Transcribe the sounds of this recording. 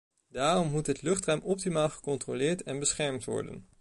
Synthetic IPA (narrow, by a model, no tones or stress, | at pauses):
daːrɔmːutɦətlɵχtrɛɥmɔp̚timaːlˠχə̥kɔntrolɪːɹtɛnbəsχɛɹmtʋɔ̰ɹdə̰n